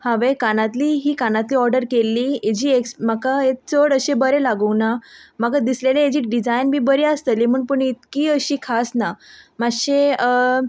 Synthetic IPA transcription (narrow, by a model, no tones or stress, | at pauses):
hãʋekanãt̪liːɦiːkanãt̪liːɔɾɖəɾkelːiːed͡ʑiːeksmakaet͡səɽəɕebəɾelaɡəwnamakad̪isleleed͡ʑiːʈ̚ɖid͡zajnmiːbəɾeast̪əlim̤əːɳpəɳit̪kiːəɕiːkʰasnamaɕeə